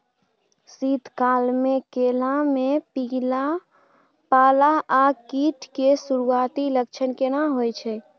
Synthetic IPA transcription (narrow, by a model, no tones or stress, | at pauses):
sit̪kalmekelamepiɡla | palaʔakiʈʰkesuɾuat̪ilək̚t͡ʃʰənkenaɦojt͡ʃʰɛ